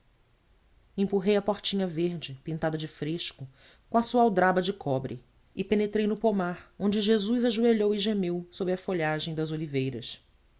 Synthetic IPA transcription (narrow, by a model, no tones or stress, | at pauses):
ẽpuɦejɐpɔɾt͡ʃĩɲɐveɾd͡ʒɪpĩnt̪ad̪ɐd͡ʒɪfɾeʃkʊ | kõɐsuɐawd̪ɾabɐd͡ʒɪkʰɔbɾɪ̰ | ɪpenet̪ɾejnʊpomaɾõnd͡ʒɪʒezujzaʒueʎowɪʒemewsobɾɪɐfoʎaʒẽj̃d̪ɐzolivejɾɐs